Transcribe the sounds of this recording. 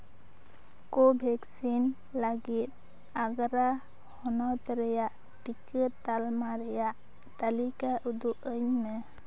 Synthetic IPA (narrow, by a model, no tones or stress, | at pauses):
kɔbʱɛksin | laɡit̪̚ | aɡɾa | hɔnɔt̪ɾɛjaʔ | ʈikət̚t̪almaɾɛjaʔ | t̪alikaʔud̪uʔəɲmɛ